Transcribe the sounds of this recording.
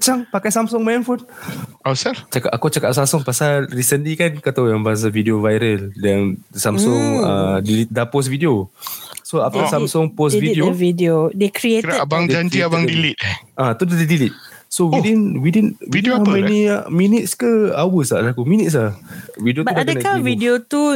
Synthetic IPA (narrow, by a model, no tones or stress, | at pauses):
t͡ʃaŋpakajsamsʊŋmaɛnfunasat͡ʃakatakut͡ʃakaʔ̚samsʊŋpasalrisəndikankat̪awjaŋbaɦas̬avidiovajɾəldansamsʊŋə̰dilit̪̚dapɔs̬vidiosoaft̪əsamsʊŋpɔs̬vidiovidodekɾietɾabaŋd͡ʒaɲd͡ʒiabaŋdilit̪̚ʔat̪udadidilit̪̚ | sowdinwidinwidamɛniminit̪̚skəawəsaʔlakuminit̪s̬lahvidiotuadəakavidiot̪u